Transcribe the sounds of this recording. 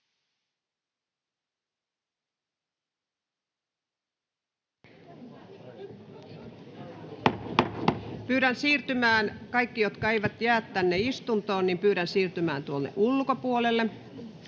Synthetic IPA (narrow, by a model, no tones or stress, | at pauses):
pyːɾænsiːrt̪ymæːnkɑikːijot̪kɑeiʋæt̪jæːt̪ːænːeist̪unt̪oːnːimpyːɾænsiːrt̪ymæːnt̪uolːḛʔulkopuolelːe